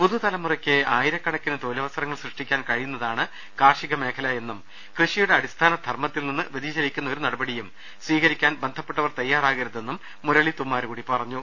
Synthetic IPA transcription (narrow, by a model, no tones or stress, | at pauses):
puðut̪ɐlɐmurɐkʲːɨaːjiɾɐkːɐɳɐkːinɨt̪oːlɐʋɐsɐɾɐŋːɐɭsrɨʂʈikʲːaːnkɐɻijunːɐðaːɳɨ | kaːrʂiɣɐme̞ːkʰɐlɐe̞nːum | krɨʂijuɽe̞ɐɽist̪ʰaːnɐd̪ʱɐrmɐt̪ːilninːɨʋiðiɕɐɾikʲːunːɐo̞ɾunɐɽɐbɐɽijum | sʋiːkɐɾikʲːaːnbe̞nd̪ʱɐpːeʈːɐʋɐrt̪ɐjːaːraːɣɐɾɐðe̞nːumːuɾɐɭit̪umːaːɾukuːɽipɐrɐɲːu